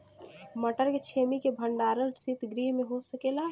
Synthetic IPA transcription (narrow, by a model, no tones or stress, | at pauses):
məʈəɾket͡ʃʰemikebʱəɳɖaːɾəlsit̪ɡɾiːɦmẽɦosəkela